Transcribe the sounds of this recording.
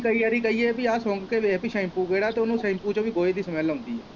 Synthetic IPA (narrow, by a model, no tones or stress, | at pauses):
kəiːaːɾiːkəiːeːpiaːsõːŋɡkeːʋeːpiʃaɪmpuːkeːɽaːt̪eːʊnũːsə̃ɪmpuːt͡ʃõːʋiːɡoːeːd̪iːsəmɛːlõːnd̪iːɦɛː